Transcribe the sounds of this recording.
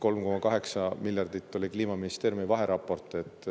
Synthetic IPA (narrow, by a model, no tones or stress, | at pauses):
ko̞lmko̞mɑkɑɦe̞ksɑmiljɑrd̪̥it̪ːˑo̞lʲikliːmɑminist̪eːɾjumivɑɦe̞ɾɑpːˑo̞rt̪ˑet̪ːˑ